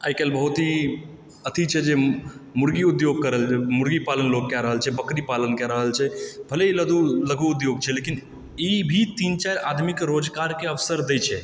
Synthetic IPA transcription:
a̰ikelbəɦut̪ɦi | ət̪ʰit͡ʃʰɛd͡ʒemuɾɡiud̪joɡ̚kəɾəlemuɾɡipalənlok̚kjaɾəɦəlt͡ʃʰɛbəkɾipalənkjaɾəɦəlt͡ʃʰɛbʱəleiləd̪uləɡuːd̪joɡ̚t͡ʃʰɛlekin | ibʱit̪int͡ʃaɾad̪ʱmikɾod͡ʒkaɾkeəʋsəɾd̪ejt͡ʃʰɛ

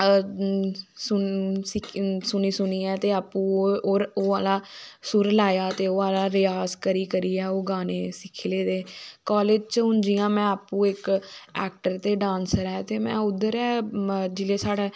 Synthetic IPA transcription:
sʊsɪksʊniːsʊniːɛːt̪eːaːpːũːoːoːalaːsʊɾlaːjaːt̪eːoːaːlaːɾɪjaːzkəɾiːkəɾiːɛːoːɡaːneːsɪkʰːleːd̪eːkɔːleːd͡ʒt͡ʃɦʊ̃nd͡ʒiːjãːmɛ̃ːaːpːũːɪkɛ̰ːk̚ʈəɾt̪eːɖãːnsəɾɛːt̪eːmɛ̃ːʊd̪ːəɾɛːd͡ʒɪleːsaːɽeː

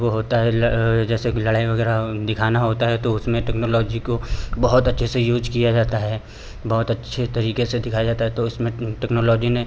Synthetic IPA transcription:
ʋoɦoːt̪aɦɛld͡ʒɛːselɐɽaːiʋɐɡɛːɾad̪ɪkʰaːnaɦoːt̪aɦɛt̪oʊsmẽʈɛknoːlɔːd͡ʒikobɐɦʊt̪ɐtːʃʰesejuːd͡ʒkijad͡ʒaːt̪aɦɛː | bɐɦʊt̪ɐtːʃʰet̪ɐɾiːkesed̪ɪkʰajad͡ʒaːt̪aɦɛt̪oʊsmẽʈɛːknoːlɔːd͡ʒinẽ

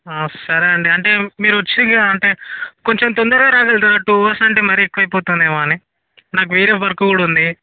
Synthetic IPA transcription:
asɐɾeɐɳɖiɐɳʈe̞ːmiːɾuʋɐt͡ʃːiɡaɐɳʈe̞ːko̞ɲt͡ʃemt̪ond̪ɐɾɡaːɾaːɡɐlt̪ɐːʈuːʋɐsɐɳʈe̞ːmɐɾiːekːuʋɐjpoːt̪und̪eːmaːni | naːk̬uʋeːɾeːʋɐɾɐkukuːɽund̪i

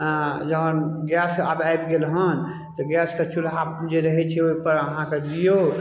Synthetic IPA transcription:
d͡ʒəɦənɡjasabajbɡelɦən | t̪ɔɡɛskət͡ʃʰulabd͡ʒeɾəɦɛt͡ʃʰɛoipəɾəɦãked͡ʒijo

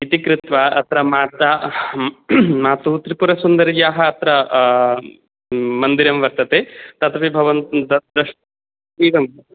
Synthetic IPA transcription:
it̪ikɾut̪ʋɐɐt̪ɾɐmaːt̪ɐ | maːt̪uːt̪ɾipuɾɐsund̪ɐɾjaːɦɐːt̪ɾɐ | mɐnd̪iɾɐmʋɐɾt̪ɐt̪eːt̪ɐt̪ɐʋibʱɐʋɐnt̪d̪ɐd̪ɾɐʃ | iːʋɐmɐɐ

